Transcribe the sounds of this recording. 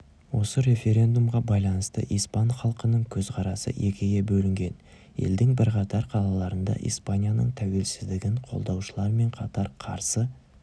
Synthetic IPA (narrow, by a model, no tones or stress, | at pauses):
wo̞səɾe̞fʲe̞ɾʲe̞nd̪umʁɑbɑjlˠɑnəst̪ə̰ʔijspanχɑlˠqənəɴkʲʰɵzqʰɑɾɑsə̰ʔekʲʰɪɡʲe̞bɵlɪŋɡʲe̞n | je̞̰ld̪ɪŋbɪɾqɑt̪ɑɾqʰɑlˠɑlˠɑɾənd̪ɑ̰ʔḭjspanʲijanə̰ɴt̪ʰæwe̞lsɪzd̪ɪɡʲɪɴqʰo̞̰lˠd̪ɑwʃəlˠɑɾme̞ɴqʰɑt̪ɑɾqʰɑ̰ɾsə